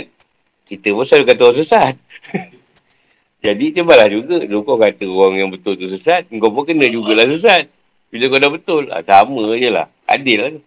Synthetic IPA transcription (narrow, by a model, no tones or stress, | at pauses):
t̪̚ | kit̪əposadukat̪as̬əsat̪̚ | d͡ʒadit̪əbalahd͡ʒuɡədukokat̪əowaŋjaŋbət̪ʊlt̪usəsat̪̚ŋ̩kopokənəd͡ʒuɡalahsəs̬at̪̚ | b̥iləkodabət̪ʊla̰saməjəla̰h | a̰dɪlːaht̪u